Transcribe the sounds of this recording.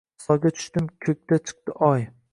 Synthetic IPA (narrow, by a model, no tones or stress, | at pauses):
sɒɡʲat͡ʃ̪ʰʊ̥ʃt̪ɪmkʲʰɵk̚ʲt̪at͡ʃʰɨ̥q̚t̪ɪʔɒj